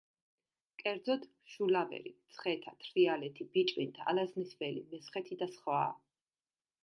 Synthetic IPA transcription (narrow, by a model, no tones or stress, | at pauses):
kʼɛɾd̪zɔd̪ | ʃulavɛ̰ɾḭt̪sʰχɛt̪ʰat̪ʰɾialɛt̪ʰib̥it͡ʃʼvint̪ʰa̰laznisvɛlḭmɛsχɛt̪ʰid̪asχwa̰ː